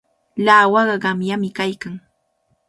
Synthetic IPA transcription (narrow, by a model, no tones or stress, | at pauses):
laːwɑɢɑɢɑmjamɪkajkaŋ